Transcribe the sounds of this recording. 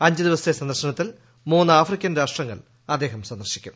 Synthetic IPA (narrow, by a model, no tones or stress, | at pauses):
ɐɲd͡ʑɨd̪iʋɐsesɐnd̪ɐrɕɐɳɐt̪ːil | muːnːaːfrikʲːɐnɾaːʂʈrɐŋːɐ̰ɭ | ɐd̪ːe̞ːɦɐmsɐnd̪ɐrɕikʲːṵm